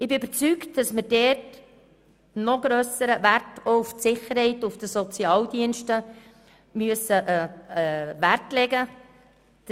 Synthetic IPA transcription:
ɪbɪybəɾt͡syktd̥ɑsmɪɾd̥ɛt | nɔɡ̥ɾøsəɾəværtouftsɪχəɾhɛɪtʊfd̥əsɔt͡sjɑːld̥iənʃtə | myəsəʔ | værtlɛɡə̥

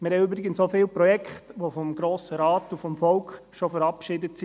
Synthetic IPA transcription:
mɪɾhɛjøbəɾɪɡənssofɪːlpɾɔjɛkχtʋofɔmɡɾoːsəɾɑːtufɔmfɔlkχʃɔfəɾɑpʃɪdətsi

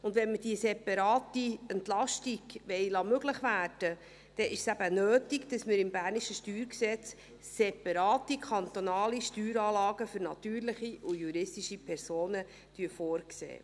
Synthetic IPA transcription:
ʊndʋɛnməd̥iəsɛpɑɾɑːtiɛnt̪lɑʃtiɡ̥ʋɛɪlɑmøɡləχʋæːɾd̥ə | d̥ɛʔɪʃsæb̥ənøːtiɡd̥ɑsməɾɪmbæːɾniʃəʃtyːɾksɛt͡sː | ɛpɑɾɑːt̪ikʰχɑnt̪onɑːliʃtyːɾɑːlɑːɡəfʏɾnɑt̪yːɾlɪχiʔʊjuɾɪstiʃipʰɛɾsoːnə | tyəfoːɾksḛː

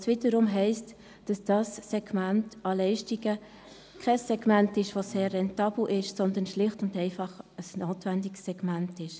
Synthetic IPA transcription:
sʋɪdəɾʊmɦɛɪst | d̥ɑsd̥ɑsːɛɡ̥mæntɑlɛɪʃtiɡə | kʰɛsːɛɡmæntɪʃʋoseːrːɛntɑːb̥l̩ʔɪʃsɔnd̪ənʃlɪχtʊndɛɪfɑχəsnoːtvændiksːɛɡ̥mæntɪʃ

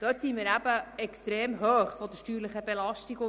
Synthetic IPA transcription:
d̥œːtsimiːɾæb̥əɛkst̪ɾeːmɦøːχfɔd̪əʃtyːɾləχəbɛlɑʃtiɡʊ

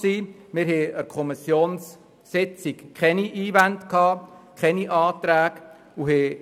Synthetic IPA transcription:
siːmɪɾɦɛːəɾkʰɔmisjoːnsː | ɪt͡sɪkʰχɛniʔiːvændkʰɑːkʰɛniʔɑːt̪ɾæːɡ̥ | uɦɛ

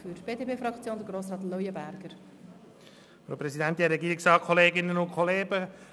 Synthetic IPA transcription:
fyɾb̥eːdepeːfɾɑkt͡sjoːnd̪əɡɾoːsɾɑːt̪lɔjəbæɾɡ̥əɾ | fɾo̰pɾɛsid̪ænt̪iɛɾɛɡiːɾɪksɑːkʰɔleːɡɪnənʊnkʰɔleːɡə

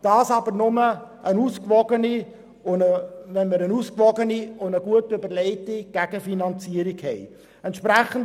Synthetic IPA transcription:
d̥ɑːsɑbəɾnʊməʔənuːskvɔɡəni | ʊəvɛnməɾənuːskvɔɡəniʊnəɡuətøbəɾlɛɪtiɡ̥æɡ̥əfinɑnt͡siəɾikhɛɪ | ɛntʃpɾɛχən̩d

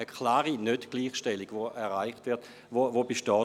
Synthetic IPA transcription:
əkʰlaːʁinødɡ̥liːχʃtɛliɡ̥ʋoɛʁaɪχtʋɪɐt | vovobeʃtɔː

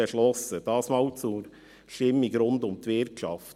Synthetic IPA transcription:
ɛʃlɔsəd̪̥ɑːsmɑːlt͡su | ʃtɪmːɪɡɾʊnd̪ʊmt̪ʋɪɾkʃɑft

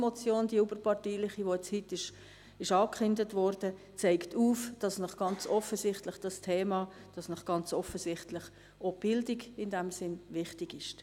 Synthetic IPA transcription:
mɔt͡sjoːnd̥iubəɾpɑrtiːlɪχiʋoɛt͡shɪtːɪʃ | ɪʃɑːkχʏndətʋɔɾd̥ə | t͡sɛɪktʰuːfd̥ɑsnɔχɡ̥ɑnt͡sɔfəsɪχtlɪχd̥ɑstʰeːmɑː | d̥ɑsnɔχɡ̥ɑnt͡sɔfəsɪχtlɪχ | ob̥ɪldɪɡɪndæmsɪnvɪχtɪɡɪʃ

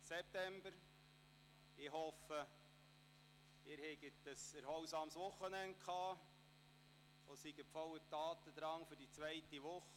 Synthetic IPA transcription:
sɛp̚t̪ɛmbəɾ | ɪhɔfə | ɪɾhɛɡətːəsɛɾhɔwsɑːmsʋʊχːənɛnt̚kʰχɑː | ɔsiɡəpfɔwətɑːt̪əd̥̪ɾɑŋfʏɾdit͡svæɪtiʋʊχ

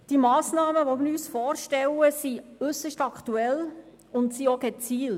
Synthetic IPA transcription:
d̥imɑːsnɑːməʋomɪɾyːsfɔːɾʃtɛwəsiʏsəʃtɑkχtuɛl | ʊntsioɡɛt͡siːl

